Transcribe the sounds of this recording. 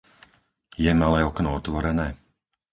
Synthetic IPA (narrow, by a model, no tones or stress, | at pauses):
jɛmalˠɛjɔknɔːt̪vɔɾɛnɛ